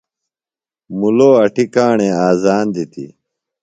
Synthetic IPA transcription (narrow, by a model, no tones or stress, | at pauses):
muloːɐʈikaːɳẽːaːzaːnd̪it̪ḭ